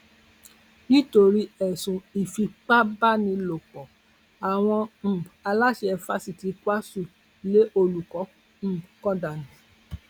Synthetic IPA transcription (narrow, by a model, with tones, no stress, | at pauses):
nĩ˦to˧ɾi˦ɛ˨sũ˨i˨fi˧k͡pa˦ba˦˨nĩ˧lo˨k͡pɔ˨ | a˨w̃ɔ̃˧m̩̃˨a˧la˦ʃe˧ɛ˧fa˦si˦˨ti˨˧kʷa˦su˦˨ | le˨˦ʔo˧lu˨kɔ̃˨˦˨ | kɔ̃˦da˨nĩ˨˦